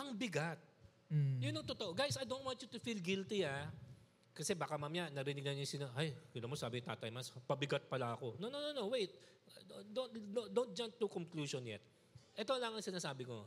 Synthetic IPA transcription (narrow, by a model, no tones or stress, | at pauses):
ʔɐŋbɪɡat̪̚ | jʊnːɐŋt̪ot̪oʔoɡajsɐjd̪ont̪wãnt͡ʃjut̪ʊfilɡilt̪ia | kɐsɛbaːkɐmamjanɐɾɪnɪɡnɐnʊsɪnoɦajɡɐlɐmosaːbɪŋt̪a̰ːt̪ɐjmɐspɐbɪɡɐt̪̚pɐlaɐko̞nonononowejt̪̚ | od̪ond̪od̪ont̪̚d͡ʒant̪ːukoŋkluːʃonjɛ̰t̪̚ | ʔɛt̪olɐŋɐŋsɪnaːsaːbɪko̞